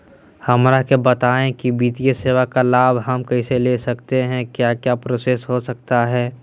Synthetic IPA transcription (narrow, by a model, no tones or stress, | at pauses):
hɐmɾakebɐt̪aːẽkibiːt̪ijeseːwakalaːbʱɦɐmkɐiselesɐkt̪eɦɛ̃kjaːkjaːpɾoːsesɦosɐkt̪aɦɛː